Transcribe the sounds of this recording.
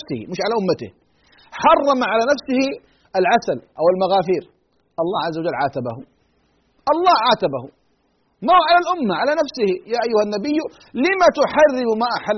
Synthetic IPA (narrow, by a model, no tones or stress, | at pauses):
sɪhɪ̰mɪʃʕalaʔʊmːat̪ɪ̰h | ħɑrˤːɑmaʕalanafsɪhɪ | alʕasalʔawɪlmaɣaːfiːɾ | ʔɑlˤːɑːʕazːawad͡ʒalːʕaːt̪abahʊ | ʔɑlˤːɑːhʕaːt̪abahʊ | mahʕalalʔʊmːaʕalanafsɪhɪjaːʔajːʊhanːabɪjːʊ | lɪmat̪ʊħarːɪmmaʔaħa